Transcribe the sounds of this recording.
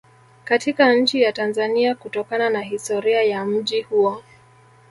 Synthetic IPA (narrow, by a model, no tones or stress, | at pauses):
katikaɲ̩t͡ʃijatanzaniakutɔkananaɦistɔɾiajam̩ʄihuɔ